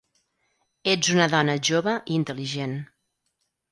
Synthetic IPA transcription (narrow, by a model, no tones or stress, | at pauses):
ed͡zunəðɔnəʒoβəʔiint̪əliʒen